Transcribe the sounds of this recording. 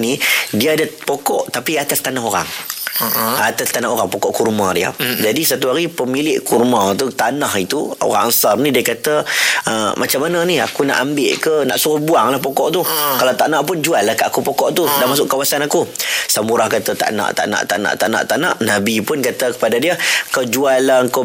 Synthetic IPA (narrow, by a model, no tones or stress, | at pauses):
nidiaːdapokɔʔt̪apiat̪ast̪anaɦoɾa̰ŋ | at̪ast̪anaɦoɾaŋpokɔʔkurmãdia̰d͡ʒadisat̪uɦaɾipəmilɪʔkurmãt̪ut̪anaɦit̪uo̰ɾa̰ŋansarnidiakat̪aəmʔat͡ʃamːanania̰kuna̰ʔambɪʔkəna̰ʔsuɾʊhbuaŋlahpokɔʔt̪ukalawt̪aʔnaʔp̬ʊnd͡ʒualːahkaʔakupokɔʔt̪udanmas̬ʊʔkawasanakusamuɾahkat̪at̪a̰ʔna̰ʔt̪a̰ʔna̰ʔt̪a̰ʔna̰ʔt̪a̰ʔna̰ʔt̪ana̰ʔnabipʊnkat̪əkə̥padadiəkawd͡ʒualːaəŋko